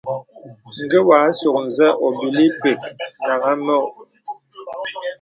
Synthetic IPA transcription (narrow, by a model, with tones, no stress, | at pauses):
ŋ̩˨ɡə˦wa˨˦su˨k̚n̩˨zɛ˦ʔo˨bi˨li˦pe˨ka˨ŋa˦mɔ˦˨ʔ